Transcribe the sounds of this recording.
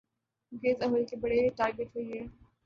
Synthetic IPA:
ɡeːzɐɦʊlkebɐɽeiʈaːɾɡeʈɦoiɦɛː

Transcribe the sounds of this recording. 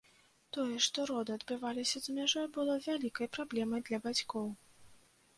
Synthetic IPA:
t̪ɔjɛʂt̪ɔɾɔd̪ɨɐd̪bɨvalʲisʲɐzmʲaʐɔjbɨlˠɔvʲalʲikɐjpɾablʲɛmɐjd̪lʲɐbat͡sʲkɔw

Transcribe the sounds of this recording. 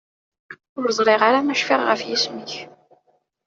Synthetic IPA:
ʊɾzˤɾˤɪʁaɾamæʃfɪʁʁəfjisməç

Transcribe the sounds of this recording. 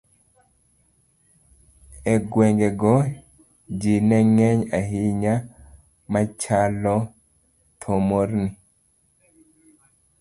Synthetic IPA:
ɛɡwɛŋɡeɡɔ | d͡ʒinɛŋɛɲaɦiɲa | mat͡ʃalɔ | t̪ʰomorni

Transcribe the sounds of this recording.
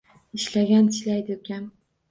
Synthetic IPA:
ɪʃlaɡʲant̪ʰɪ̥ʃlajd̪ɪokʲan

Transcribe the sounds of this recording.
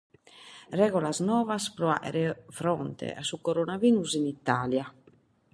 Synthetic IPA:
rɛːɣɔlasnɔːvaspɾɔa̰ʔɛ̰ɾɛfɾɔnt̪ɛ̰ʔa̰sukoɾonaviːnuzinit̪ːaːlja

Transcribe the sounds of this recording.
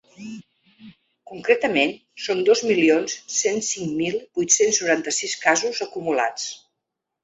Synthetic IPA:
kuŋkɾet̪əmen | sond̪ozmilionssensiŋmilˠbujt̪sensnuɾant̪əsiskazuzəkumula̰t͡s

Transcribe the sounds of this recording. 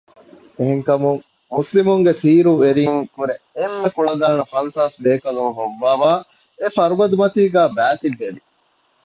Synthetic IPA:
eɦeŋkɐmuŋ | muslimuŋɡet̪iːɾueɾiŋkuɾe | emːekuɭɐd̪aːnɐfɐnsaːsbeːkɐluŋɦoʋːaːʋaː | efɐɾubɐd̪umɐt̪iːɡæːbæːt̪iʋːeʋi

